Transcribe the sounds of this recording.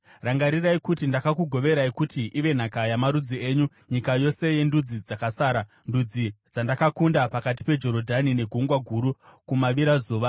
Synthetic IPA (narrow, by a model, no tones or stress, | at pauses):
raŋɡaɾiraikutindakakuɡʱo̞ʋe̞ɾaikutiʔiʋe̞n̤akajamaɾud͡zie̞ːɲu | ɲikajo̞se̞je̞ndud͡zid͡zakasaːɾa | ndud͡zid͡zandakakundapakat̬i̥pe̞d͡ʒo̞ɾo̞dʱanine̞ɡʱuŋɡwaɡʱuɾukumaʋiɾazuːʋa